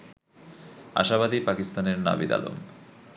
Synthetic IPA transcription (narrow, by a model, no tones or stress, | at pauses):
a̰ʃaβad̪ipakist̪aneɾna̰bid̪a̰lo̰m